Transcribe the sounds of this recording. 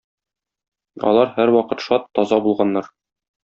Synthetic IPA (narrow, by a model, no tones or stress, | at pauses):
ɒ̰lˠɑɾhæɾwɒqɤt̪ʃɒt̪ːɒzɑbulˠʁɑnːɑɾ